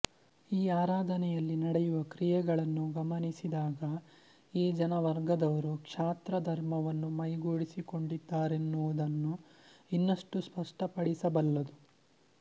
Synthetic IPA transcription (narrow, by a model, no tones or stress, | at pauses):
iːaːɾaːd̪ʱɐnɛjɐlːinɐɽɛjuʋɐkɾijɛɡɐɭɐnːuɡɐmɐnisid̪aːɡɐ | iːd͡ʒɐnɐʋɐɾɡɐd̪ɐʋɐɾukʂaːt̪ɾɐd̪ʱɐɾmɐʋɐnːumɐjɡoːɽisiko̞ɳɖid̪ːaːɾe̞nːuʋud̪ɐnːuinːɐʂʈuspɐʂʈɐpɐɽisɐbɐlːɐd̪u